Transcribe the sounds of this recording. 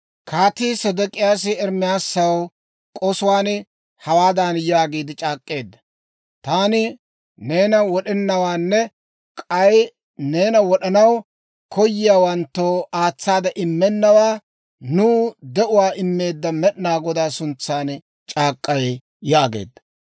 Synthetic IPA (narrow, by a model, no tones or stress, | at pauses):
kʰaːt̪iːsɐd̪ɔkʼɪjaːs̬ɪɛɾmɪjaːsːɐw | kʼɔsʊwaːn | hɐwaːd̪aːnjaːɡiːd̪ɪt͡ʃʼaːkʼːe̞ːd̪ːɐ | t̪aːnɪ | ne̞ːnɐwɔɗɛnːɐwaːnːɛ | kʼɐj | ne̞ːnɐwɔɗɐnɐw | kʰɔjːɪjaːwɐnt̪ːoːaːt͡sːaːd̪ɐʔɪmːɛnːɐwaː | nuːd̪ɛʔʊwaːʔɪmːe̞ːd̪ːɐmɛɗnaːɡɔd̪aːsʊnt͡sːaːn | t͡ʃʼaːkʼːɐj | jaːɡḛːd̪ːɐ̥